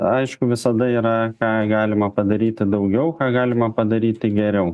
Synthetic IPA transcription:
ɐɪʃkʊʋʲɪsɐd̪ɐiːɾɐkɑːɡɑːlʲɪmɐpɐd̪ɐɾʲiːt̪ʲɪd̪ɐʊɡʲɛʊkɑːɡɑːlʲɪmɐpɐd̪ɐɾʲiːt̪ʲɪɡʲɛɾʲɛʊ

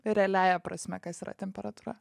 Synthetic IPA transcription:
ɾʲɛːlʲæːjɛpɾɐsʲmʲɛkɐsiːɾɐ̰t̪ʲɛmʲpʲɛɾɐt̪uːɾɐ

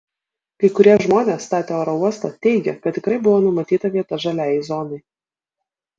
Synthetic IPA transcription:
kɐɪkʊɾʲiɛʒmoːnʲeːsːt̪ɑːt̪ʲeːoːɾɔuɔst̪ɐt̪ʲɛɪɡʲɛkɐt̪ʲt̪ʲːɪkɾɐɪbʊʋoːnʊmɐt̪ʲiːt̪ɐʋʲiɛt̪ɐʒɐlʲæːjɛɪzɔnɐɪ

